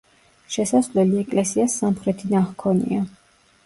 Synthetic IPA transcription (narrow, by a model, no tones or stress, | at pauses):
ʃɛsasvlɛliɛkʼlɛsiasːamχɾɛt̪ʰinaχkʰɔnḭa